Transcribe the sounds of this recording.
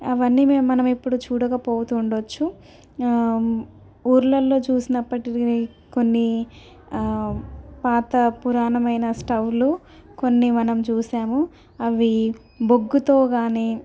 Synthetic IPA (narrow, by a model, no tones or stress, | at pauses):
ɐʋɐnːimemːɐnɐmipːuɽut͡ʃuːɽɐkɐpoːut̪uːɳɖot͡ʃːu | uːɾlɐlːo̞ːt͡ʃuːsinɐpːɐʈi | ko̞nːi | paːt̪ɐpuɾaːnɐmɐjnɐsʈɐwlu | ko̞nːimɐnɐmt͡ʃuːsaːmu | ɐʋi | boɡːut̪o̞ːɡaːniː